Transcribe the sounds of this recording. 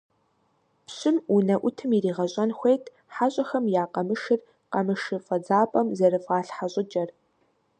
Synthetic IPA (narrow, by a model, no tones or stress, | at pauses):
pɕɪmunɐʔʷʊtʰɨmiɾiːʁɐɕʼɐnxʷejtʰ | ħaɕʼɐxɐmjaːqɐmɨʃɪr | qɐmɨʃɨfʼɐd͡zaːpʼɐmzɐɾɨfʁɑːɬħaɕʼɪd͡ʒʼɐr